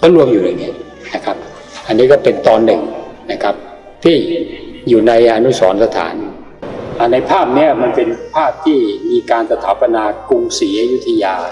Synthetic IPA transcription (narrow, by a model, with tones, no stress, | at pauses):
k̪ɔ˥˩lu˧əmjuː˨˩ɾɯ˨˩ni˦˥ | na˦˥kʰa˦˥p̚ | ʔa˧nːiː˦˥kɔː˥˩pe˧nt̪ɔː˧nːɯ˨˩ŋna˦˥kʰa˦˥p̚ | t̪ʰiː˥˩juː˨˩na˧jʔa˧nu˦˥sɔː˩˦nsa˧t̪ʰa̰ː˩˦n | ʔa˨˩na˧jpʰaː˥˩p̚ni˦˥˩ɐma˧npe˧npʰaː˥˩p̚t̪ʰiː˥˩miː˧kaː˧nsa˧t̪ʰa̰ː˩˦˥pa˧naː˧ku˧ŋsiː˩˦ju˦˥t̪ʰːa˧jaː˧